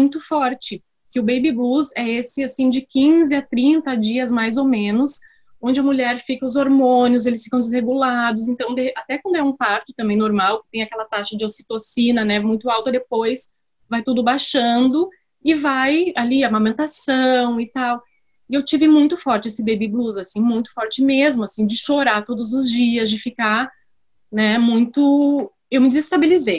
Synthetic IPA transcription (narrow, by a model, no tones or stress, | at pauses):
mũj̃t̪ʊfɔɾt͡ʃɪ | kɪʊbejbɪbuzɛesɪasĩd͡ʒɪkĩzɪat̪ɾĩnt̪ɐad͡ʒiɐzmajzowmẽnʊs | õd͡ʒɪɐmuʎɛɾfikɐʊzoɾmõnɪʊzelɪsfi̥kɐ̃w̃d̪ɪzheɡulad̪ʊs̬ẽnt̪ɐ̃w̃d̪eʔat̪ɛkwɐ̃nd̪ʊɛũpaɾt̪ʊ̥t̪ɐ̃mbẽj̃noɾmawkɪ̥t̪ẽj̃akɛlɐt̪aʃɐd͡ʒɪosi̥t̪osinɐnɛmũj̃t̪ʊawt̪ɐd̪epojs | vajt̪ud̪ʊbajʃɐ̃nd̪ʊ | ɪvajaliamãmẽnt̪asɐ̃w̃ɪt̪aw | ɪewt͡ʃivɪmũj̃t̪ʊfɔɾt͡ʃɪesɪbebɪbluzasĩmũj̃t̪ʊ̥fɔɾt͡ʃɪmezmʊasĩd͡ʒɪʃoɾat̪od̪ʊzʊzd͡ʒiɐzd͡ʒɪfika | nɛmũj̃t̪ʊ | ewmɪd͡ʒɪzɪst̪abelizej